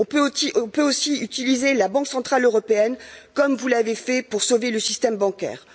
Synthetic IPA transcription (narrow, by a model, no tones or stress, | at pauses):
ɔ̃pøiɔ̃pøosiyt̪ilizelabɑ̃ksɑ̃t̪χaløʁɔpeɛnkɔmvulavefɛpuʁsoveləsist̪ɛmbɑ̃kʲɛ̰ːʁ